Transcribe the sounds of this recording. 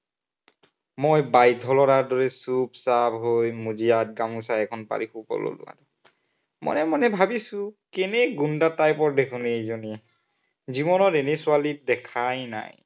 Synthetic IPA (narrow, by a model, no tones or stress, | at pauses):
mojbajdʱɔlɔɾaɹdɔɹɛsubsabɦojmuziat̚ɡamusaɛkʰɔnpa̰ɹixupɔ̰lo̰lʊ̰a̰dɔ | mɔ̰nɛmɔnɛbʱabisʊ̃kɛnɛɡundatajpɔɹdekʰunejzoniɛ | zibɔnɔtenesualit̚dɛkʰajna̰j